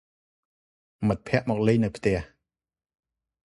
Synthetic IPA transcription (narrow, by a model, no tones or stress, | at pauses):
mət̪̚pʰɛ̆əʔmɔːk̚lɨjnɨwpʰt̪ɛ̆əh